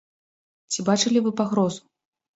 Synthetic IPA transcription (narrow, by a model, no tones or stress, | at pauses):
t͡sʲibat͡ʂɨlʲivɨpaɣɾɔzu